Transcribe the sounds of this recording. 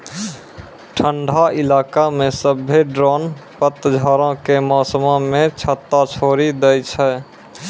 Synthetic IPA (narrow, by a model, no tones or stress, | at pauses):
ʈʰəɳɖʱailaːkamẽsəbʱːeɖɾɔːnpət̪ːd͡ʒʱɔɾõkemɔːsəmãmẽt͡ʃʰət̪ːat͡ʃʰoːɾid̪ɛjt͡ʃʰɛ